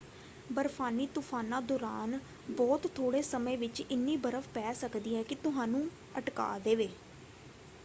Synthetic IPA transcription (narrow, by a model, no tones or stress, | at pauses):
bəɾpʰaːniːt̪ʊpʰaːnːãːd̪ɔːɾaːn | bɔːt̪t̪ʰːoːɽeːsəmẽːʋɪt͡ʃɪnːiːbəɾəfpɛːsəkd̪iːɦɛːkɪt̪ʊɦãːnũː | əʈka̰ːd̪eːʋeː